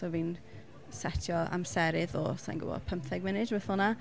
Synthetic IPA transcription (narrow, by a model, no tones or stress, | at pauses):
sɔviːn | sɛtʰjɔa̰msɛɾɪðɔ̰sa̰jnɡʊ̰bɔ̰pʰəmpθɛɡmɪnɪdvəθɔlˠna